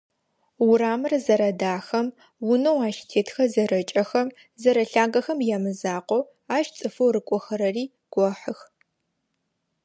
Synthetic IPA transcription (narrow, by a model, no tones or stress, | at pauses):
wʊɾaːmɨrzɐɾɐdaːxɐm | wʊnowaːʃtʰeːtʰxɐzɐɾɐt͡ʃʼɐxɐm | zɐɾɐɬaːɡɐxɐmjamɨzaːqʷɔw | aːʃt͡sʼɨfɐwɾɨkʷʼɔxɐɾɐriː | ɡ̥ʷɔħəx